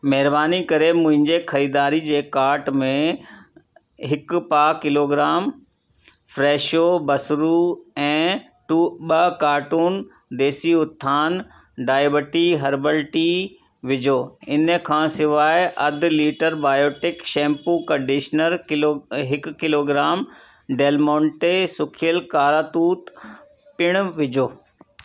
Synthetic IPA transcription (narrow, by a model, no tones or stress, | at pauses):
mɐɦɪɾbaːnikɐɾemʊ̃ɦɪ̃ɲd͡ʑexʰɐɾiːd̪aːɾid͡ʑeːkaːɾʈmẽ | ɦɪkpaːkɪloːɡɾaːm | fɾeːʃoːbɐsɾuɛ̃ː | ʈuɓɐkaːɾʈuːn | d̪eːsiʊt̪ʰːaːn | ɖaːjbəʈiɦɐɾbəlʈi | ʋɪd͡ʑʱoːɪnəkʰãːsɪʋaːɪʔɐd̪ʱliːʈəɾbaːjoːʈɪkʃɛ̃ːmpukɐ̃ɳɖɪʃnəɾoɦɪkkːɪloːɡɾaːm | ɖeːlmɔ̃ːɳʈesʊkʰɪjəlkaːɾaːt̪uːt̪ | pɪɽ̃ʋɪd͡ʑʱoː